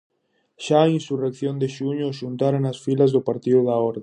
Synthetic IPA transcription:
ʃaːiĩnsurekθjõnd̪ɪʃuɲʊʃunt̪aɾanasfilɐzðʊpaɾt̪iðʊðɐɔɾð

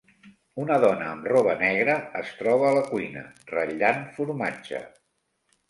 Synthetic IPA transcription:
unəðɔnəːmrɔβənɛɣɾəəst̪ɾɔβ̞əːləkujnə̰rəʎanfuɾmad͡ʒə̰

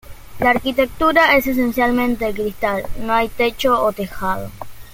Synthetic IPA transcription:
laːɾkit̪e̞k̚t̪uɾae̞ses̬ensjalmẽnt̪ek̬ɾist̪alnoajt̪e̞t͡ʃoot̪exaðo̰

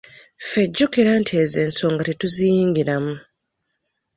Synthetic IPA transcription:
feɟːokiɾantʰieze̞ːnso̞ːŋɡatituzijiːŋɡiɾamu

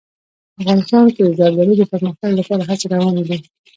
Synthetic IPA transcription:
afɣɑnɪst̪ɑnked̪əzɑɡlaɾid̪əpəɾməxt̪aɡlapɑɾaɦat͡seɾawɑnd̪i

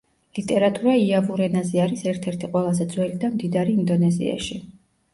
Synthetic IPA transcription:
lit̪ʼɛɾat̪ʼuɾaiabuɾɛnazɛaɾisɛɾt̪ʰɛɾt̪ʰiqʼwɛlˠazɛd̪zwɛlid̪amd̪id̪aɾiːnd̪ɔnɛzḭa̰ʃi

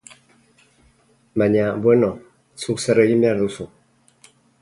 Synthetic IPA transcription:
maɲabwenɔ | suksəɾəjimaɾðusu

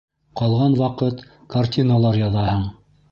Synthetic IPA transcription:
qɑlˠʁɑnwɑqɤt̪ | kartʲinalˠɑɾjɑðɑhɤɴ

